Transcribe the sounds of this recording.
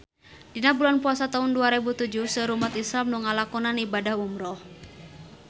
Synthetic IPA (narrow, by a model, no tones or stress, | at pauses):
dinabulanpuasat̪aʊnduaɾebut̪ud͡ʒuhsəɾumat̪islamnuŋalakɔnanibadahumɾɔh